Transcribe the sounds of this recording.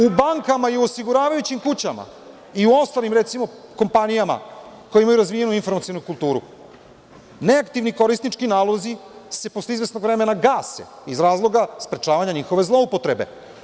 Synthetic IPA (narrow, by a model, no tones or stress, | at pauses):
ubaŋkamaiuosiɡuɾaːʋajut͡ɕimkut͡ɕama̰ | iuo̞st̪alimɾet̪simo̞kompanijama̰ | kojimajuɾazʋije̞nuinfo̞ɾmat̪sionukulˠt̪uːɾṵ | ne̞akt̪iʋniko̞ɾisnit͡ʃkinaːlˠo̞zise̞posleizʋe̞sno̞ɡʋɾemenaɡaːsḛ | izɾaːzlˠo̞ɡaspɾe̞t͡ʃaːʋaɲaɲixo̞ʋe̞zlˠo̞upo̞t̪ɾe̞be̞̰